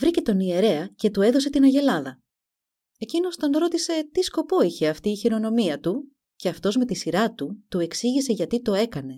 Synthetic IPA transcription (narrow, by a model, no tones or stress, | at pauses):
vɾice̞t̪o̞nie̞ɾe̞ɐce̞t̪ue̞ðo̞s̬e̞t̪inɐʝe̞lɐðɐ | e̞cino̞st̪o̞nɾo̞t̪ise̞t̪isko̞po̞içe̞ɐft̪iːçiɾo̞no̞miɐt̪u | ce̞ɐft̪o̞zme̞t̪isiɾɐt̪ut̪ue̞ksiʝise̞ʝɐt̪it̪o̞e̞kɐne̞